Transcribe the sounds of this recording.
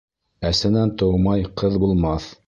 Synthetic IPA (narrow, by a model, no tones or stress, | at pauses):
æsɘ̆nænt̪ɤ̆wmɑjqɤðbulˠmɑθ